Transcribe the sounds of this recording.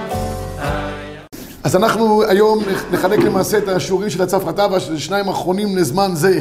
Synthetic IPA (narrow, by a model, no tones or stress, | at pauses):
azanaχnuajo̞mne̞χale̞kle̞maːse̞etaʃuʁimʃelat͡safʁatavaʃleʃnaimaχʁo̞nimlezmanze̞